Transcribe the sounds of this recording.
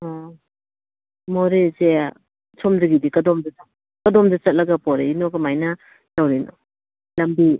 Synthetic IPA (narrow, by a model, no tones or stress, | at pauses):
ɔ | moɾezea | t͡ʃʰɔmdɯɡidikɐdɔmdɐa | kɐdɔmdɐt͡ʃɐt̚lɐɡɐpɔɾḛinokɐmajnɐ | lawɾino̰ | lɐmbi